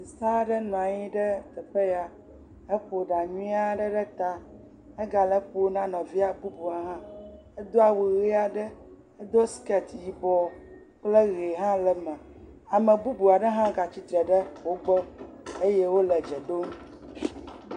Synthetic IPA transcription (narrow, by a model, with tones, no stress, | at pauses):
si˨sa˦ɖə˦nũ˨ã˨ɲĩ˦ɖə˦t̪ə˨ɸe˦ja˨ | ə˦ɸo˨ɖa˨ɲũ˦i˦a˦ɖə˦ɖə˦t̪a˦ | ə˦ɡa˨lə˦ɸo˦nã˦nɔ̃˨vi˦a˦bu˦bu˨a˨ɦã˦ | ə˦d̪o˦a˦˨we˨ɣe˦a˦˨ɖə˦ | ə˦d̪o˦skɛ˦t̪ji˦bɔ˦ | k͡plə˦ɣe˨ɦã˦lə˨mə̃˨a˨mə̃˨bu˦bu˨a˨ɖə˦ɦã˦ɡa˨t͡ɕi˦t̪ɾə˨ɖə˦wo˦ɡ͡bə˦ | e˦je˦wo˦lə˨d͡ʒɛ˨ɖo˦m˦